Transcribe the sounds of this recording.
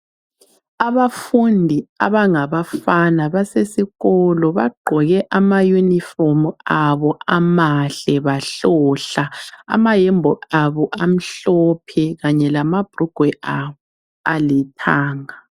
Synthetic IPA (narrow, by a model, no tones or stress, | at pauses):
aβafundʱia̰βaŋaβafanaβasesiɣɔlɔβaɡ͡ǃʱɔɣɛʔamajunifɔmuaβɔʔamaɬɛβaɬɔɬaa̰majɛmbʱɔʔaβɔʔam̩ɬɔpʰɛɣaɲɛlamab̥ʱruɡ̥ʱwɛʔaβɔ | alitʰaːŋa